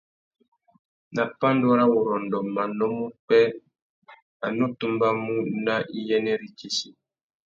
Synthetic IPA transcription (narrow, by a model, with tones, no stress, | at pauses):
na˨pa˦ndɔ˦ɾa˦wo˨ɾɔ˨ndɔ˨ma˨nɔ˦mu˦k͡pɛ˦ | a˨nu˦tu˦mba˦mu˦na˦ʔi˦jɛ˦nɛ˦ɾi˦ki˦si˨